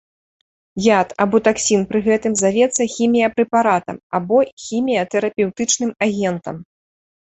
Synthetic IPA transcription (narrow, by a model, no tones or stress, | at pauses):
jat̪ɐbɔt̪aksʲinpɾɨɣɛt̪ɨmzavʲɛt̪sːɐxʲimʲijɐpɾɛpaɾat̪ɐ̰mabɔxʲimʲijɐt̪ɛɾɐpʲɛwt̪ɨt͡ʂnɨmaɣʲɛnt̪ɐ̰m